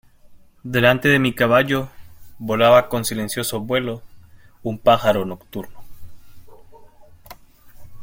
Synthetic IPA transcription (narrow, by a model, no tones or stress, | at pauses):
d̪e̞lant̪e̞ðe̞mikaβaʝoβo̞laβako̞nsile̞nsjo̞so̞βwe̞lo̞ | umpaxaɾo̞no̞kt̪uɾno